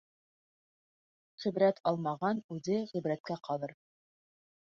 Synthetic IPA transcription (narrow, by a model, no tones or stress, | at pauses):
ʁĭbɾæt̪ʰɑlˠmɑʁɑnʉðɘʁib̆ɾæt̪̚kæqʰɑlˠɤɾ